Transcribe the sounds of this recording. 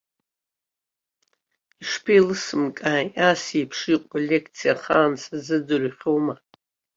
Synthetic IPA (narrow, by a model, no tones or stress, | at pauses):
iʂpʰelɨsɨmkʼaasipʰʂiqʷʼalʲekʰt͡sʰijaχaːnsazɨdɨrχʲowma